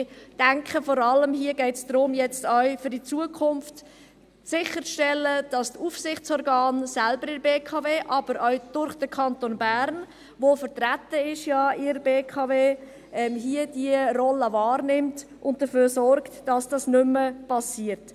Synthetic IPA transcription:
d̥æŋkχəfɔɾɑləmhiəɡɛɪtsd̥ɾʊmjɛt͡stœɥfʏɾdit͡suəkʰʊnft | sɪχəɾʃtɛlːəd̥ɑstufsɪχt͡sɔɾɡɑːnsælbəɾɪbeːkʰɑːveːʔɑb̥əɾʔœɥd̥ʊɾχd̥əkʰɑntonbæɾn | vofəɾtɾatːəɪʃjɑɪɾbeːkʰɑːveː | ʔɛmɦiəd̥iərɔləvɑːɾnɪmt | ʔʊntd̥əføːɾsɔɾktd̥ɑsd̥ɑsnʏməpʰɑsiːəɾt

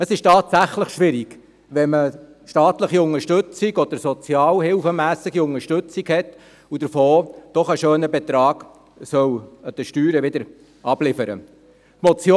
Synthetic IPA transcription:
əsɪʃtɑːtsæχləχʃʋɪɾiɡ | ʋɛmə | ʃtɑːtləχiʊŋəɾʃtɵt͡siɡɔd̪̥əɾsɔt͡sjɑːlhɪlfəmæːsɪɡiʊŋəʃtɵt͡siɡhɛt | ud̥̪əɾfoːd̪̥ɔχəʃøːnəbɛt̪ɾɑːɡ̥ | sœwəd̥̪əʃtyːɾɛʋɪd̪əɾ | ɑb̥lɪfəɾə̰ | tmɔt͡sjo

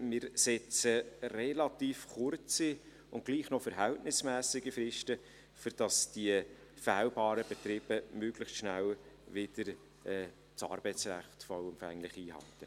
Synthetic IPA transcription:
mɪɾsɛt͡sərɛlɑt̪iːfχʊrt͡si | ʊntɡ̥liːχnɔfəɾɦæltnɪsmæːsɪɡifɾɪʃtə | fʏɾd̥ɑsd̥iə | fæːlbɑːɾəb̥ɛt̪ɾɪb̥əmøɡlɪχtʃnælvɪd̥əɾ | ɛː | sɑ̰ːɾb̥ɛɪt͡sræ̰χtfɔʊɛmfæ̰ŋlɪχiːɦɑ̰ltə

